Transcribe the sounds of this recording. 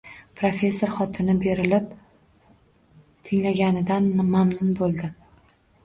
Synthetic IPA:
pʰɾofʲe̞sːoɾχɒt̪ʰɪnɪbe̞ɾɪlɪp | t̪ʰɪŋlaɡʲanɪd̪anmamnʊnbolˠd̪ɪ

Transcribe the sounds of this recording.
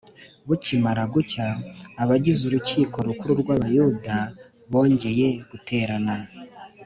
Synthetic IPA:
βucimaɾaɡucaːβaɟizuɾuciːko̞ɾukuɾuɾɡwaːβajuda | βo̞ːɲɟe̞je̞ɡ̥utʰe̞ːɾana

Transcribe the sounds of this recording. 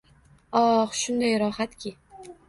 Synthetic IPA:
ɒχʃʊnd̪ajɾɒhat̪kʲɪ

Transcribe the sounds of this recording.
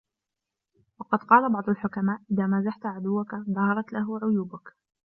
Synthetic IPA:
wɑqɑd̪qɑːlabɑʕd̪ˤʊlħʊkamaːʔʔɪðaːmazaħt̪ʕad̪ʊwːakaðˤɑhɑɾˤɑt̪laɦʊʕʊjuːbak

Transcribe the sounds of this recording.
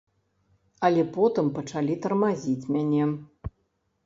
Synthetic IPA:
ɐlʲɛpɔt̪ɨmpɐt͡ʂalʲit̪ɐrmazʲit͡sʲmʲanʲɛ

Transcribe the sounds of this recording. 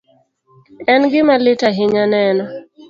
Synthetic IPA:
ɛnɡɪmalɪtaɦɪɲanɛnɔ

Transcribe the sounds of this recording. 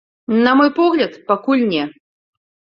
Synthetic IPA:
nɐmɔjpɔɣlʲɐt̪pakulʲnʲɛ

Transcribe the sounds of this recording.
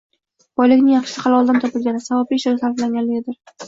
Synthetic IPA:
b̥ɒjlɪkʲnɪŋjɑχʃɪ̥sɪqʰɑlˠɒlˠd̪ant̪ʰɒpɪlɡʲanɪsavapiɪʃaɾɪsaɾflaŋɡʲanlɪɡʲɪd̪ɪɾ

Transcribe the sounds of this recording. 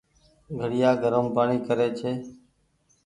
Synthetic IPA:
ɡʱəɽɪjaːɡʱəɾəmpaːɳiːkəɾeːt͡ʃʰeː

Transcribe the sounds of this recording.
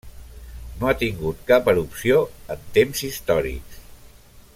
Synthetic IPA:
noat̪iŋɡut̪kapəɾupsioənt̪emzist̪ɔɾḭks

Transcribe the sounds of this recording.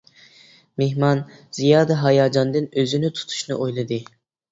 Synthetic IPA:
mehmɑnz̥ijɑːd̪ɛɦɑjɑːd͡ʒɑnd̪ɨnøzynɪt̪ʰu̥t̪ʰu̥ʃnɨ̰ʔojlˠɨd̪ɨ

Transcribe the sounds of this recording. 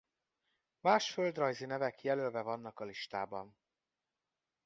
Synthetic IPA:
maːʃfø̞ld̪rɒjzinɛvɛkjɛlølvɛvɒnːɒkɒliʃt̪aːbɒn

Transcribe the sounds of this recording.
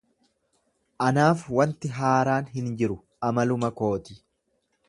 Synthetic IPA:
ʔɐnaːfwɐnt̪ɪɦaːɾaːnɦɪnd͡ʒɪɾʊ | ɐmɐlʊmɐko̞ːt̪ɪ

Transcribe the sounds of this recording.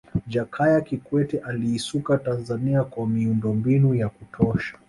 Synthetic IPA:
d͡ʒakʰajakikwɛtɛʔaliːsukatanzaniakwamiundɔmbinujakutʰɔʃḁ

